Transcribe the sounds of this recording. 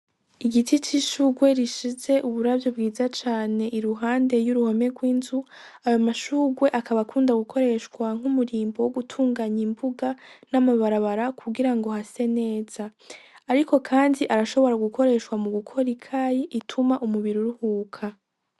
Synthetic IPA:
iɡitʰit͡ʃiʃuɡwe̞ɾiʃize̞ʔuβuɾavjobɡiːzat͡ʃaːne̞ʔiɾuɦaːnde̞juɾuho̞me̞ɡwiːnzu | ajo̞maʃuːɡwe̞ʔakʰaβakʰuːndaɡukʰo̞ɾe̞ʃkwaŋ̥umuɾiːmbowoɡutʰuːŋɡaɲimbuɡanamaβaɾaβaɾakʰuɡiɾaŋɡo̞hase̞ne̞ːz̥aː | ɾikʰo̞kʰaːndiʔaɾaʃo̞βo̞ɾaɡukʰo̞ɾe̞ʃkwamuɡukʰo̞ɾikʰajiʔitʰumaʔumuβiɾuɾuhuːkʰa

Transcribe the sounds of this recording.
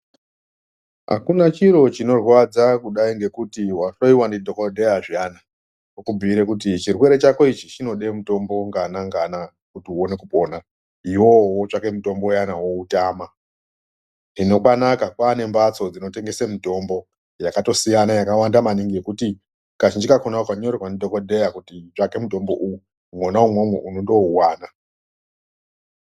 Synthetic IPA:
ɦa̰kunat͡ʃiɾo̞t͡ʃino̞rwad͡zakuɗaiŋɡe̞kutiwaʃoiwandidʱokodʱejaʐijana | kokubʱiɾekut̬it͡ʃirwe̞ɾe̞t͡ʃako̞it͡ʃit͡ʃino̞ɗe̞muto̞mbo̞ŋɡanaŋɡana | kutiuo̞ne̞kupo̞na | iwowot͡ʂakemito̞mbojanawo̞utaːma | nino̞kwanakakwane̞mbat͡so̞d͡zino̞te̞ŋɡe̞semito̞mbo̞ | jakato̞sijanajakawandamaniŋɡie̞kuti | kat͡ʃind͡ʒikakonakwaɲorrwanidʱo̞ko̞dʱe̞jakutit͡ʂake̞muto̞mbo̞̰ʔuju | mwonaumwomweʔunondo̞uwaːna

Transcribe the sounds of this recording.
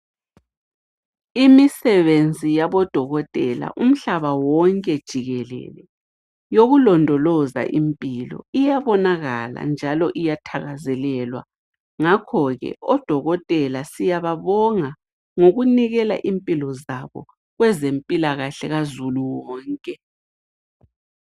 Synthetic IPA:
imisɛβend͡zʱijaβɔd̥ʱɔɣɔtʼɛla̰ʔum̩ɬaβawɔŋkʼɛd̥ʒ̥ʱiɣɛlɛ̰lɛ | joɣulɔndʱɔlɔza̰ʔimpʼilɔ̰ijaβɔnaɣala̰nd͡ʒʱalɔʔijatʰaɣazɛlɛlwa̰ | ŋakʰɔɣɛ̰ɔd̥ʱɔɣɔtʼɛlasijaβaβɔŋa | ŋoɣuniɣɛla̰ʔimpʼilɔzaβɔ̰ | ɣwɛzempʼilaɣaɬɛɣazuluwɔːŋkʼɛ

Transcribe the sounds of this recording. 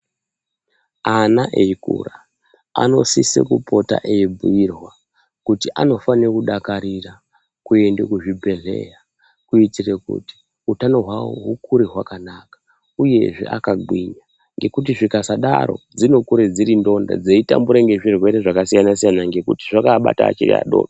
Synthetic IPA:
anaʔeikṵra | a̰no̞̰sisḛkupʰo̞ta̰ʔeibuirwa | kutiʔano̞fanekuɗakaɾira | kue̞ndḛkuʐibʱe̞ɮe̞̰ja | kuitirekṵti̥ | utanoɦwawo̰ɦukuɾeɦwakanakḁ | uje̞ʐḛʔa̰kaɡwiɲa | ŋɡe̞kut̬iʐikasaɗa̰ɾo̞̰d͡zino̞kuɾed͡ziɾindo̞nda̰d͡zeita̰mbuɾaŋɡe̞ʐirwe̞ɾe̞ʐakasijanas̬ijanaŋɡe̞kutiʐakaɓa̰ta̰ːt͡ʃirḭa̰ɗo̰ːɗo

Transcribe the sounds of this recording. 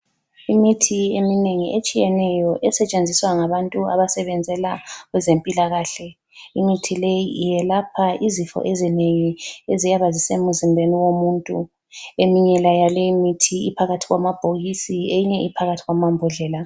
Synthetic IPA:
imitʰiemineŋiʔet͡ʃʼijɛnɛjɔʔɛsɛt͡ʃʼend͡zʱiswaŋaβantʼua̰βasɛβɛnd͡zʱɛlaɣwɛzempʼilaɣaːɬɛ | iŋ͡ǀitʰilejijɛlapʰaizifɔ̰ʔezineŋiezijaβazisemuzimbʱeniwomuːntʼṵ | emiɲɛlajalɛimitʰiipʰaɣatʰiɣwamab̥ʱoɣisiejiɲɛipʰaɣatʰiɣwamambʱɔɮɛːla

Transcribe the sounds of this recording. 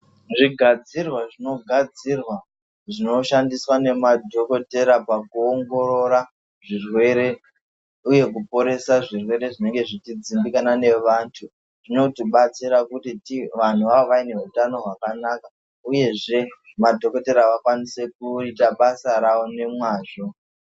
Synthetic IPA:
ʐiɡʱad͡zirwaʐino̞ɡʱad͡zirwa | ʐino̞ʃandiswane̞madʱo̞ko̞te̞ɾapakuoŋɡo̞ɾo̞ɾa | ʐirwe̞ɾe̞ | uje̞kupo̞ɾe̞saʐirwe̞ɾe̞ʐine̞ŋɡe̞ʐitid͡zimbikanane̞ʋaːntʰu | ʐ̥ino̞tiɓat͡siɾakutitiʋan̤uʋaʋoʋaine̞ɦutano̞ɦwakanaka | uje̞ʐe̞ | madʱo̞ko̞te̞ɾaʋakwanise̞kuitaɓasaɾaʋo̞ne̞mwaːʐo̞

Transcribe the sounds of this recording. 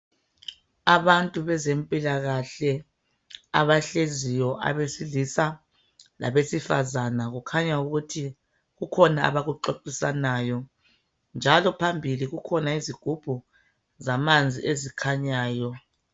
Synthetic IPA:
aβantʼuβɛzempʼilaɣaɬɛ | aβaɬezijɔʔa̰βesiɮisa | la̰βesifazanaɣukʰaɲauɣutʰi | ɣukʰɔnaa̰βaɣuǃoǃisanaːjɔ | nd͡ʒʱalɔpʰambʱiliɣukʰɔnaiziɡ̥ʱub̥ʱu | zamand͡zʱḭʔezikʰaɲaːjɔ

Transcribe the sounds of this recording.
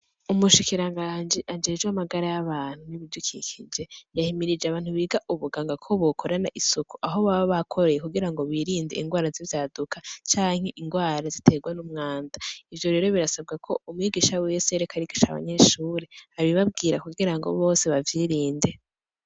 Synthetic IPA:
umuʃikiɾaŋɡaːnd͡ʒiʔand͡ʒe̞ːd͡ʒamaɡaɾajaβaːn̥huniβiɟukʰikʰid͡ʒe̞jahimiɾid͡ʒeaβaːn̥huβiːɡaʔuβuɡaŋɡakʰo̞βokʰo̞ɾanaʔisuku̥ʔaɦo̞βaβaβakʰo̞ɾe̞jekuɡiɾaŋɡo̞βiːɾiːndḛḭŋɡwaːɾazivjaːdukʰat͡ʃaːŋ̥he̞ʔiŋɡwaːɾazitʰe̞ɡwanumŋaːndaivjo̞ɾe̞ːɾo̞βiɾasab̚ɡakʰo̞umwiɡiʃawijeseɾekaɾiki̥ʃaβa̰ɲe̞ʃuːɾeaβiβab̚ɡiːɾakuɡiɾaŋɡo̰βo̞ːse̞βavjiːɾiːnde̞

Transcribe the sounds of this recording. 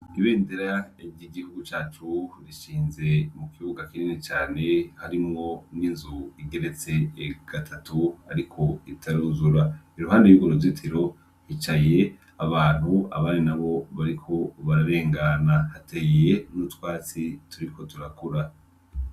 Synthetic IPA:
iβe̞ːnde̞ɾaiiɡihuɡut͡ʃaːt͡ʃuɾiʃiːnze̞mukʰiβuɡakininet͡ʃaːne̞haɾimŋo̞ninzuiɡe̞ɾe̞t͡se̞ɡ̥atʰatuaɾikʰo̞itʰaɾuːnzuɾaiɾuɦaːndejuɡoɾozitʰeɾo̞ | hit͡ʃaje̞ | aβaːn̥hua̰βaːninaβo̞βaɾikʰo̞βaɾaɾe̞ːŋɡanahatejje̞nutwaːt͡situɾikʰo̞tuɾakuɾa

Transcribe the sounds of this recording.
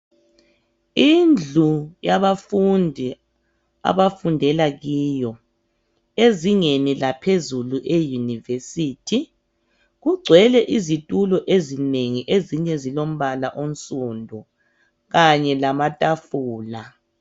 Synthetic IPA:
ind͡ɮʱujaβafundʱi | a̰βafundʱɛlaɣiːjɔ | eziŋenilapʰezuluʔejunivesitʰi | ɣuɡ͡ǀʱwɛlɛʔizitʼulɔʔezineŋiʔeziɲɛzilom̩βalaʔon̩sʼundʱɔ | ɣaɲɛlamatʼafuːla

